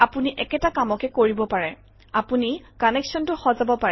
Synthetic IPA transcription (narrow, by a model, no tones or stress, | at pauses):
apuniʔɛkɛtakamɔkɛkoɹibɔpaɹɛ | apunikɔnɛksɔntʊxɔzabɔpaɹɛ